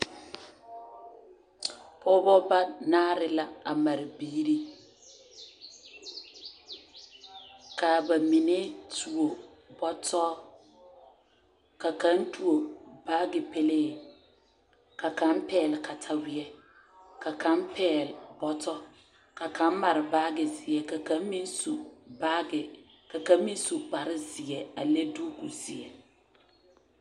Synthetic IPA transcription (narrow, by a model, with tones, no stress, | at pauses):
pʰɔ˦bɔ˦ba˦naː˦ɾɪ˦la˦a˨ma˨ɾɪ˨biː˦ɾi˦ | ka˨ba˨mi˨ne˦tu˨o˨ | bɔ˦tʰɔ˦ | ka˨kã˦n˦tu˨o˨baː˦ɡɪ˨pe˦leː˦˨ | ka˨kã˨˦mpɛː˦˨lɪ˨ka˨tʰa˨wi˨ɛ˦ | ka˨kʰã˦mpʰɛː˦˨lbɔ˦tɔ˦ | ka˨kʰã˨˦m˦ma˨ɾɪ˨baː˦ɡɪ˨zi˨ɛ˨ka˨kã˦m˦mĩ˦n˦su˨ba˦ɡɪ˨ | ka˨kã˦m˦mĩ˦n˦su˨k͡pa˨ɾɪ˦zi˨ɛ˨a̰˨le˦du˦ku˨si˨ɛ˨